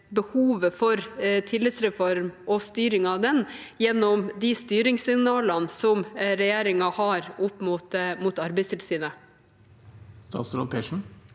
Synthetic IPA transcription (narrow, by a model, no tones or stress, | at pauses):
bəhuːʋəfɔɾt̪ʰɪlɪsɾɛfɔɾmʔɔst̪yːɾɪŋɑʋd̪ɛnjɛnːɔmd̪ɪst̪yːɾɪŋsɪŋnɑːlɑnsɔmɾɛjeːɾɪŋɑhɑɾʊpːmʊt̪mʊt̪ɑɾbɛɪst̪ʰɪlst̪yːnə | st̪ɑ̰ːt̪sɾɔ̰lpʰɛːʂn̩